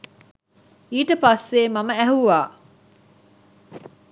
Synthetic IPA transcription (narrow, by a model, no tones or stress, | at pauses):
iːʈəpasːeːmɐməæɦuʋaː